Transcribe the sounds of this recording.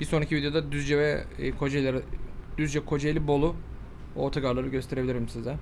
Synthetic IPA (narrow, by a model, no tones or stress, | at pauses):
b̥iso̞nicʰivid̪ejod̪ad̪yzd͡ʒɛvɛkʰo̞d͡ʒejlʲeɾid̪̥yzd͡ʒɛkʰo̞d͡ʒejlʲibo̞lˠu | ot̪ʰaɡaɾlˠaɾɯɟø̞st̪eɾe̞bilʲiɾimsizɛ